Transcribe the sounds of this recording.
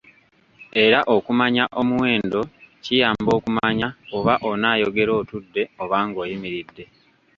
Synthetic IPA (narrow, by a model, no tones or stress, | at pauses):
e̞ɾaʔo̞kumaɲaʔo̞muwe̞ːndo̞cijaːmbo̞ːkumaɲaoβaʔo̞naːjo̞ɡe̞ɾo̞ːtudːe̞oβaːŋɡo̞ːjimiɾidːe̞